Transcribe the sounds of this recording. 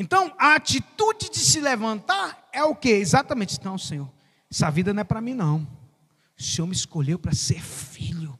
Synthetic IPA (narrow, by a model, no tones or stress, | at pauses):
ẽnt̪ɐ̃w̃aat͡ʃit̪ud͡ʒɪd͡ʒɪsɪlevɐ̃nt̪aɾɛʊkeizat̪ɐmẽnt͡ʃɪ̥̃t̪ɐ̃w̃sẽɲoɾ | savid̪ɐnɐ̃ɛpɾɐmĩnɐ̃w̃ | ʊsẽoɾmiiskoʎewpɾɐseɾfiʎʊ